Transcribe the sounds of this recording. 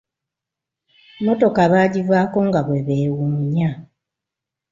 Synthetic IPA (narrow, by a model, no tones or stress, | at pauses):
mo̞to̞kaβaːɟivwaːko̞ŋɡaβwe̞βeːwumiɲa